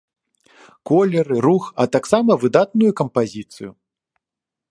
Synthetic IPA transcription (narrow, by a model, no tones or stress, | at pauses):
kɔlʲɛɾɨɾuxɐt̪aksamɐvɨd̪at̪̚nujukɐmpazʲit̪sɨju